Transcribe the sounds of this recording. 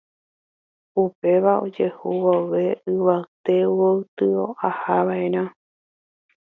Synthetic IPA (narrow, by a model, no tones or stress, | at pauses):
upe̞ʋao̞̰d͡ʒe̞huwoʋe̞ɨʋaɨt̪e̞wowt̪ɨoʔahaʋaẽɾ̃ã